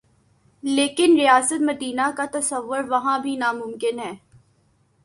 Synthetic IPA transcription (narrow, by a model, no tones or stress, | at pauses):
leːkɪnɾijaːsət̪mɐd̪iːnakat̪ɐsəʋːʊɾʋɐɦãbʱinamʊ̃mkɪnɦɛː